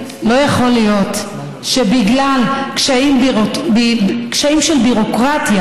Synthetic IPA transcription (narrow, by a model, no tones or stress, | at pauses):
lo̞jaχo̞lijo̞t̪ | ʃebiɡlalkʃaimbbikʃaimʃelbiʁo̞kʁat̪ja